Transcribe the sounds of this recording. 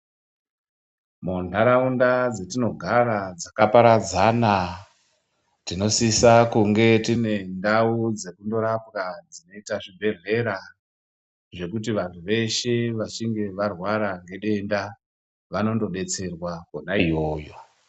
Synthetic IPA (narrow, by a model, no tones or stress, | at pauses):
mundaɾaundad͡ze̞tino̞ɡʱaɾad͡zakapaɾad͡zana | tino̞sisakuŋɡe̞tine̞ndaud͡ze̞kundo̞ɾapkad͡zino̞itaʐibʱe̞ɮe̞ɾa | ʐe̞kut̬iʋantʰuʋe̞ʃe̞ʋat͡ʃiŋɡe̞ʋarwaɾaŋɡe̞ɗe̞nda | ʋano̞ndo̞ɗe̞t͡se̞rwakonaijo̞ːjo̞